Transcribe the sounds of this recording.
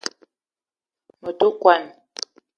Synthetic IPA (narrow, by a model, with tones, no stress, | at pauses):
mo˨tu˦kwa˦˨n